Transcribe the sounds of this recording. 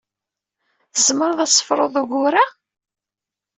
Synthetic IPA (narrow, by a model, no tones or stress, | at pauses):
θəzməɾˤəðˤæsˤːə̥fɾˤo̰ðˤuɣʊɾa